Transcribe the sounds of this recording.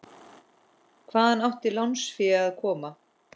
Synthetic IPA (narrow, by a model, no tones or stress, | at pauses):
kʰvaːðanawht̪ɪlawnsfɪaðkʰɔːma